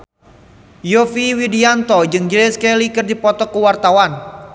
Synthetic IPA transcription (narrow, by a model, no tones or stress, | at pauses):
jofiwidiant̪ɔd͡ʒɨŋd͡ʒɾɛskelikɨrdipɔt̪ɔkəwart̪awan